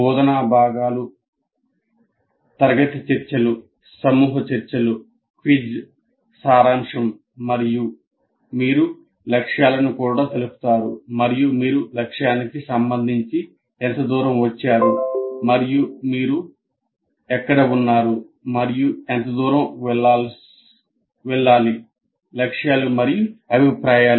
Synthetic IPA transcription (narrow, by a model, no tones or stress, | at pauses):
buːd̪ɐnaːbʱaːɡaːlu | t̪ɐɾɐɡɐt̪it͡ʃɐɾt͡ʃɐlu | sɐmuːɦɐt͡ʃɐɾt͡ʃɐlu | kʋid͡ʒ | saːɾaːmʂɐmː | ɐɾiju | miːɾu | lɐkʂjaːlɐnukuːɽaːt̪elupu̥t̪aːɾumɐɾijumiːɾulɐkʂjaːnikisɐmbɐnd̪ʱiɲt͡ʃi | ɛnt̪ɐd̪uːɾɐmʋɐt͡ʃːaːɾumɐɾijumiːɾu | ɛkːɐɽɐunːaːɾu | mɐɾijuent̪ɐd̪uːɾɐml | ʋɛɭːaːli | lɐkʂjaːlɐmɐɾijuɐbʱipɾaːjaː